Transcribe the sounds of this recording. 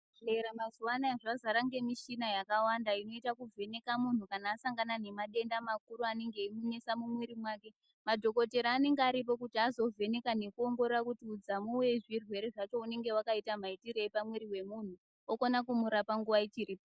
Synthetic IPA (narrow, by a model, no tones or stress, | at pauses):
eɾamazuwanaeʐazaɾaŋɡe̞miʃinajakawandaino̞itakuvʱe̞ne̞kamun̤ukanaːsaŋɡanane̞maɗe̞ndamakuɾuane̞ŋɡe̞imuɲe̞samumwiɾimwake̞ | madʱo̞ko̞te̞ɾaːne̞ŋɡeaɾip̬o̞kutiazo̞vʱe̞ne̞kane̞kuo̞ŋɡo̞rerakutiːd͡zamuwe̞ʐirwe̞ɾeʐat͡ʃo̞une̞ŋɡe̞wakaitamaitiɾeːpamweɾiwe̞mun̤u | okonakumuɾapaŋɡuʋait͡ʃiriːpo